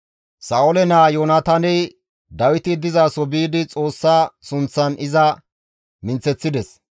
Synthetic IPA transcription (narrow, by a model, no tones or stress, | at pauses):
saːʊlɛnaːjoːnɐt̪ɐnɛ | d̪ɐwɪt̪ɪd̪ɪzaːsɔbiːd̪ɪt͡sʼo̞ːsːaːsʊnt͡sːɐnɪzɐ | mɪnt͡sɛt͡sːɪd̪ɛs